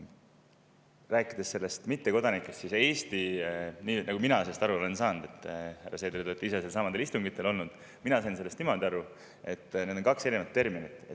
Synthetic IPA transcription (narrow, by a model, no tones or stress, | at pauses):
ræːkːˑid̪̥esːe̞lːe̞st̪mit̪ːe̞ko̞d̪̥ɑnikːˑest̪sise̞ːst̪iniːnɑɡuminɑsest̪ɑɾuo̞le̞nsɑːnd̪̥e̞t̪ːˑhæ̰rːɑse̞ːd̪ɾt̪oet̪ːˑiiseselsɑmɑnd̪eist̪uŋɡit̪ːˑe̞lo̞lnud̪̥ | minɑsɑinse̞lːest̪nimɑld̪ɑɾu | e̞t̪ːne̞d̪o̞ŋkɑkse̞ɾinevɑt̪ːe̞rminit̪ːˑet̪